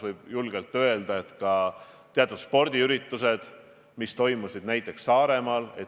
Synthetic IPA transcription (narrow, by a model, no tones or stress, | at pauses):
vɤjb̥julɡ̥elt̪ːˑø̞e̞ld̪̥ɑe̞t̪kɑt̪eɑt̪ːˑut̪spo̞rd̪̥iyɾit̪ːˑuse̞d̪̥ | mist̪o̞jmusid̪̚næjt̪ˑːe̞ksːɑːɾe̞mɑle̞̰t̪